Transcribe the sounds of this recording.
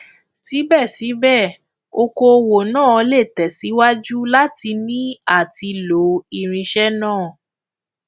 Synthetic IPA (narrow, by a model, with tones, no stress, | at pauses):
si˨˦bɛ˦˨si˨˦bɛ˦˨ | o˧ko˧o˧wo˨nãː˦˨ɔ˧le˦˨tɛ˨si˨˦wa˦d͡ʒu˦la˦ti˧nĩ˦a˦˨ti˧lo˨˦i˦˧ɾ̃ĩ˧ʃɛ˦nãː˦˨